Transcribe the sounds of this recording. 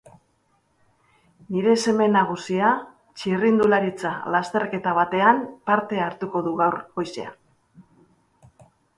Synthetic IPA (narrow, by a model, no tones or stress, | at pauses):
niɾe̞se̞me̞naɣ̞usia | t͡ʃirind̪ulaɾit͡salast̪e̞rke̞t̪aβ̞at̪e̞anpaɾt̪e̞aɾt̪uko̞ðuɣawɾɣo̞jsḛa̰